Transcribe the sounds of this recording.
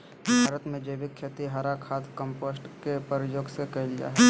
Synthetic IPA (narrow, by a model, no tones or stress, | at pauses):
bʱaːɾət̪mẽd͡ʒəbikʰːet̪iɦaɾakʰaːt̪ʰkəmposʈkepəɾjoːɡsekɐild͡ʒa̰ːɦɛ